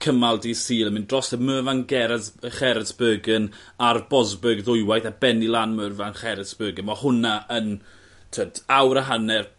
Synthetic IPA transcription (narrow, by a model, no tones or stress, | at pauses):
kʰəmalˠdisiːləməndrɔsɛməːvanɡɛɾɛðχɛɾɛsb̥əːɡən | arbɔzbəɡðʊjwajθabɛnilˠaːnməːvanχɛɾəsb̥əːɡənmɔhʊnaən | tʰətʰawɾəɦanɛr